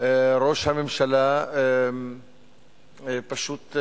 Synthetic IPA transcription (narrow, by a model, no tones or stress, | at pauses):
eɾo̞ʃhamemʃala | paʃut̪